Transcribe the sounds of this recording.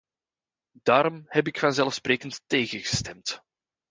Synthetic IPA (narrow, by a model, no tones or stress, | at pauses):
d̥aːɾɔmhɛp̬ɪkfɑnzɛlˠfspreːkəntːeːɣəɣə̥stɛmt